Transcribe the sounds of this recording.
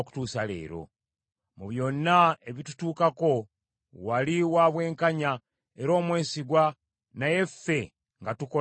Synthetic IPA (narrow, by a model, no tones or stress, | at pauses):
ku̥tuːsale̞̰ːɾo̞̰ | muβjo̞nːae̞βitu̥tuːkako̞ | waliwaβwe̞ːŋkaɲa | e̞ɾo̞ːmwe̞ːsiɡwa | naje̞fːe̞ | ŋɡatuko